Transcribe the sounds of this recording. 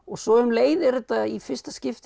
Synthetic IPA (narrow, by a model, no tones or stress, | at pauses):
ɔɣsɔʏmleːjðɛɾʏt̪aifɪr̥st̪ascɪft̪